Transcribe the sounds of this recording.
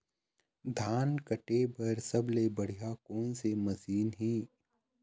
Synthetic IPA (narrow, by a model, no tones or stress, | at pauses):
d̪ʱaːnkəʈebɐɾsɐblebɐɽ̤ijakoːnsemɐsiːnɦĩː